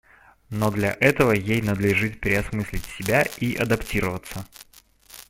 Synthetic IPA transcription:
no̞d̪lʲɐʔɛt̪əvəjejnəd̪lʲɪʐɨt̪̚pʲɾʲɪɐsmɨsʲlʲɪtʲsʲɪbʲaiʔɐ̰d̪ɐptʲiɾəvət̪sə

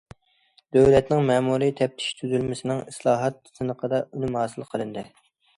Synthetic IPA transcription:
d̪̥øwlɛt̪nɪŋmɛːmuɾit̪ʰɛp̚t̪ʰɪ̥ʃt̪ʰyzylmɪsɪnɪŋislˠɑːɦɑt̪sɨnəqʰəd̪ɑʔynɪmhɑːsɨlˠqʰəlˠɨnd̪ɨ

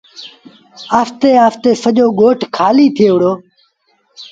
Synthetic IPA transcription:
aːft̪eːaːft̪eːsəʄoːɠoːʈʰkʰaːliːt̪ʰeːʋəɽoː

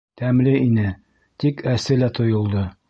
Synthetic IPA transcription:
t̪æmlɘinɘ | t̪ikæsɘlæt̪ʰŏjŏlˠd̪ɤ

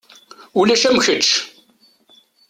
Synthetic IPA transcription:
ulæʃæmçət͡ʃ

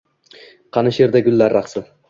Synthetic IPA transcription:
qʰɑnɨʃeɾd̪aɡʲʊlːaɾːɑχsɪ

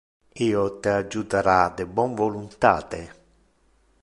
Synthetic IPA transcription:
iːot̪ead͡ʒːut̪aɾad̪ɪbwɔɱvolunt̪a̰ːt̪e

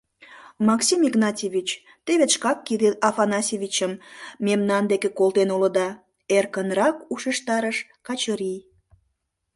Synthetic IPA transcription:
mɑksʲimiɡnɑtʲeβʲit͡ɕ | t̪eβet̪ʃkɑkːid̪eɑfɑnɑsʲeβʲit͡ɕəmːemnɑnd̪ekekolt̪enulə̆d̪ɑ | erkənrɑkuʃeʃt̪ɑɾəʃ | kɑt͡ɕəɾij

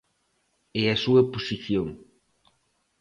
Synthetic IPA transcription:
ɛɐsuɐposiθjoŋ

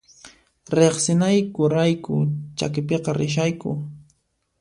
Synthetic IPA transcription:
ɾeχsɪnajkʊɾajkʊ̰t͡ʃa̰kɪpeqɑɾɪʃ̬ajkʊ̰

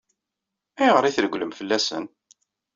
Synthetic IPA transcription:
æjʁəɾˤiθəɾəɡʷləmfəlːæsə̰n

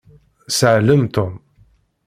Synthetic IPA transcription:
səʕləmt̪ʊm

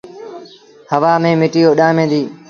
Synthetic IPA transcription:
həʋaːmẽːmɪʈiːjoːɗãːmẽːd̪iː

